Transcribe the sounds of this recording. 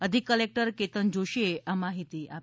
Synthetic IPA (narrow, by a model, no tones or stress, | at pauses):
əd̪ʱikːəlek̚ʈəɾket̪ənd͡ʑoɕeamaɦit̪iːʔa